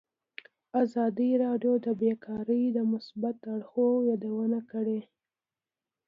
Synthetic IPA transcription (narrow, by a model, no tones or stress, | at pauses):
azɑd̪iɾɑɖjod̪əbekʰɑɾəjd̪əmʊsbat̪aɽxojɑd̪awənakəɽe